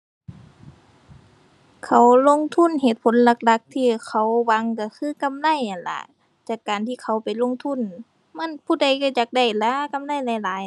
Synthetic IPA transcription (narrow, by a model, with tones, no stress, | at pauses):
kʰa˧˩wlo˧˥˨ŋt̪ʰu˧˥˨nhe˧˩t̪̚pʰo˨˦nla˧˦k̚la˧˦k̚t̪ʰiː˧˨kʰa˧˩wwa˧˥ŋka˧˩kʰɯː˧˥˨ka˧˨mla˧˥˨ja˨˩nla̰˧˩ | t͡ɕaː˧˩kːaː˨nt̪ʰiː˧˨kʰa˧˩wpa˨˩jlo˧˥˨ŋt̪ʰu˧˥˨n | ma˧˥˨npʰuː˧˨da˧˩jka˧˩t͡ɕa˧˩k̚da˧˩jla˧˥˦ka˧˨mla˧˩˨jla˧˨laː˨˦j